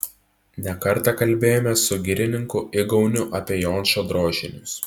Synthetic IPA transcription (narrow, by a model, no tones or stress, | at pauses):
nʲɛkɐɾˑt̪ɑkɐlʲˑbʲeːjoːmʲɛsʊɡʲɪɾʲɪnʲɪŋkʊɪɡɐʊnʲʊʔɐpʲeɛjoːnʲʃʲoːd̪ɾoːʒʲɪnʲʊs